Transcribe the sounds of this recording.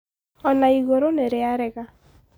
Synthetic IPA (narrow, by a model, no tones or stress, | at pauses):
ɔnaiɣoɾoneɾeaɾɛɣa